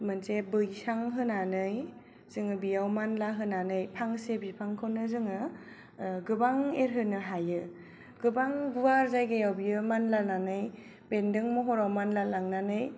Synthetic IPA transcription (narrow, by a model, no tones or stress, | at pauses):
mɯnsebɯjsaŋɦɯnanɯj | z̥ɯŋɯbijawmanlaɦɯnanɯjpʰaŋsebipʰaŋkʰɯwnɯzɯŋɯ | ɡɯbaŋeɾɦɯnɯɦajɯ | ɡ̥ɯbaŋɡuwaɾzajɡɯjawbijɯmanlananɯj | b̥endɯŋmɔɦɔɾawmanlalaŋnanɯj